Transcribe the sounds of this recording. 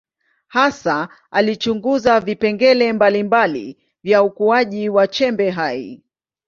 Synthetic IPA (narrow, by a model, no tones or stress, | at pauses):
hasa | alit͡ʃuŋɡuzavipɛŋɡɛlɛmbalimbalḭ | vjaukuaʄiwat͡ʃɛmbɛɦaḭ